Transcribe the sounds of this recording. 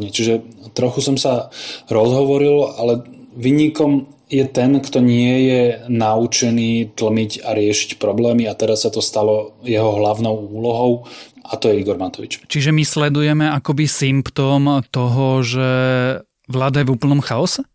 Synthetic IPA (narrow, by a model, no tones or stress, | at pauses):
ɲɛt͡ʃiʒɛt̪ɾɔxusɔmsaɾɔzɦɔʋɔɾilalɛʋiːɲikɔm | jɛt̪ɛnkt̪ɔɲɪɛjɛnaut͡ʃɛniːt̪l̩miɟaɾɪɛʃi̥cpɾɔblɛːmiat̪ɛɾasːat̪ɔst̪alɔjɛɦɔɦlaʊnɔʊuːlɔɦɔʊ | ʔat̪ɔjɛiɡɔɾmat̪ɔʋit͡ʃt͡ʃiʒɛmislɛd̪ujɛmɛakɔbisimpt̪ɔːmt̪ɔɦɔʒɛ | ʋlaːd̪ajɛʋuːpl̩nɔmxaɔsɛ